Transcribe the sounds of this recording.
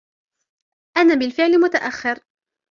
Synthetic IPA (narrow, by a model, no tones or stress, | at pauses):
ʔanaːbɪlfɪʕlɪmʊt̪aʔaxːɪɾ